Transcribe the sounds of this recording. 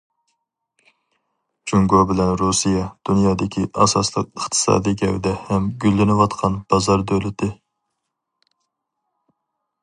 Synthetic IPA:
d͡ʒuŋɡobɪlɛnɾusijɑd̪̥unjɑːd̪ɪkʲʰiʔɑ̰sɑ̰slˠəqəχt̪ʰɨ̥sɑ̰ːd̪ijɡʲɛwd̪ɛhɛmɡʲylːɪnɪwɑt̪qʰɑnb̥ɑzɑɾd̪ølɪt̪ʰɪ

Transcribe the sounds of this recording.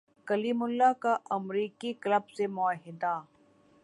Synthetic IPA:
kɐliːmʊlːakaʔɐmɾiːkikləbsemʊəɦɪd̪a

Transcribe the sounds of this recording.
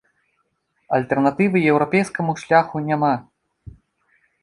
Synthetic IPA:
ɐlʲt̪ɛrnat̪ɨvɨjɛwɾɔpʲejskɐmuʂlʲaxunʲama

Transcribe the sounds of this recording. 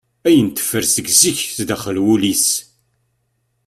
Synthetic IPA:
æjənt̪ə̥fːəɾsəɡziçθd̪æχəlwulis

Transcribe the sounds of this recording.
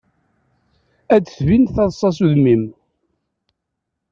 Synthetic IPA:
ædθvinθɑðˤsˤːɑsuðmim

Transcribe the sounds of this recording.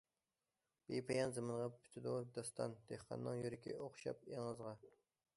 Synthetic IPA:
b̥epʰejɑnzɨmɨɴʁɑpʰy̥t̪ʰɪd̪ud̪ɑst̪ɑ̰nd̪̥ehqʰɑ̰nːɨŋjyɾɪkʲʰḭoqʃɑ̰p̚eŋəzʁɑ

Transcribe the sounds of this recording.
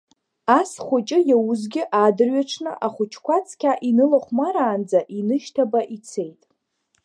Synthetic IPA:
asχʷʊt͡ʃʼɪjawʊzɡʲɪʔadɨrɥaʈ͡ʂʰnɨʔaχʷʊt͡ʃʰkʷat͡sʰkʲʰaʔinɨlaχʷmaɾaːnd͡zaʔinɨʃtʰabaʔit͡sʰe̞jtʼ

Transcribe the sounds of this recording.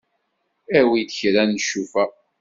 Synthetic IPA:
æwid̪çɾænːəʃːufæ

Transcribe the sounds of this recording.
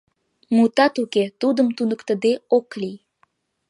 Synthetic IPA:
mut̪ɑt̪uket̪ud̪əmt̪unəkt̪əd̪eoklij

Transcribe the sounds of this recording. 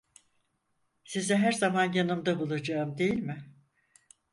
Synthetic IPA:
sizɛɦæɾzamanjanɯmd̪abulˠad͡ʒaɯmd̪e̞jilʲmɪ

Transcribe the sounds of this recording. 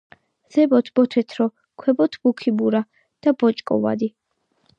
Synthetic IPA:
z̥ɛbɔt̪ʰbɔt̪ʰɛt̪ʰɾɔ | kʰwɛbɔt̪ʰb̥ukʰibuɾa | d̪̥abɔt͡ʃʼkʼɔ̰va̰d̪i

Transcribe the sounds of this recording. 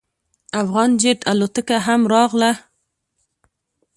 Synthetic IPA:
afɣɑnd͡ʒeʈʰalot̪əkaɦamɾɑɣla

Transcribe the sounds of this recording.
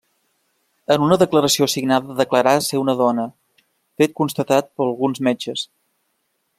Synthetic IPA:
ənunəðəkləɾəsiosiɡnaðəðəkləɾaseunəðɔnə | fet̪̚kunst̪ət̪at̪̚pəəlˠɣunzmed͡ʒəs

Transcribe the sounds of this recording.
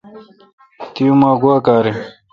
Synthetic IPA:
t̪ijumaːɡuaːkaːɾi

